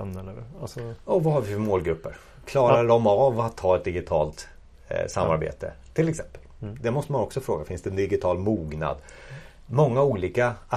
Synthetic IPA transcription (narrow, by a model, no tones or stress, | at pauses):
mnəasɔɔvahaɾvɪfœɾmoːlɡɾɵpːəɾ | kʰlɑːɾalɔmavat̪ʰːɑːɛt̪̚d̪ɪɡɪt̪ʰɑ̰ːlt̪ | samːa̰ɾbḛːt̪ə̰t̪ʰːɪlɛksɛmpəld̪ɛmɔst̪əmanɔksɔfɾoːɡafɪnsd̪ɛnd̪ɪɡɪt̪ʰɑːlmuːɡna̰d̪ | mɔŋːauːliːka